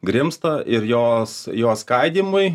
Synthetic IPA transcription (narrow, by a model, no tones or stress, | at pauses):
ɡɾʲɪmst̪ɐʔɪɾjoːsjoːskɐɪd̪ʲiːmʊɪ